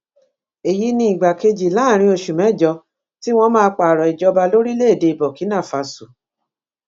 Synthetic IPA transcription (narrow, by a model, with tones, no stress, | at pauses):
e˨ji˨˦nĩ˦i˨ɡ͡ba˨ke˧d͡ʒi˨lã˨˦˨ɾ̃ĩ˧o˧ʃu˨mɛ̃˨˦˨d͡ʒɔ˧˦ | ti˦w̃ɔ̃˧mãː˦˧k͡pa˨ɾɔ˨i˨d͡ʒɔ˧ba˧lo˦ɾi˦le˦e˦˨de˨˧i˨bɔ˨ki˨˦nã˦˨fa˧su˨